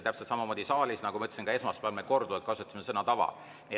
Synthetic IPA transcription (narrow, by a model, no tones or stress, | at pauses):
t̪æpselt̪sɑmɑmoːd̪̥ʲisɑːlʲisnɑɡ̥umɑot̪ːˑesiŋkɑe̞smɑspælmeko̞rd̪uvɑlt̪̚kɑsut̪ːˑsimesɤnɑt̪ɑvɑ̰ | ni